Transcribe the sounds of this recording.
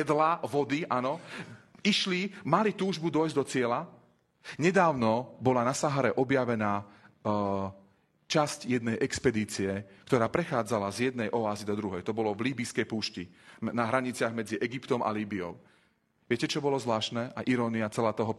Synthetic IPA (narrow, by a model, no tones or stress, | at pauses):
ɛd̪laʋɔd̪iʔanɔ | iʃlimalit̪uːʒbud̪ɔjzd̪ɔt͡sɪɛla | ɲɛd̪aːʊnɔbɔlanasaɦaɾɛʔɔbjaʋɛnaː | t͡ʃascjɛd̪nɛjʔɛkspɛd̪iːt͡siɛkt̪ɔɾaːpɾɛxaːd͡zalazjɛd̪nɛjʔɔaːzid̪ɔd̪ɾuɦɛjt̪ɔbɔlɔvliːbiskɛjpuːʃcinaɦɾaɲit͡sɪaɣmɛd͡ziʔɛɡipt̪ɔmʔa̰liːbiɔ̰ʊ | ʋɪɛcɛt͡ʃɔbɔlɔzlaːʃnɛʔaʔiɾɔːniat͡sɛlaːt̪ɔɦɔ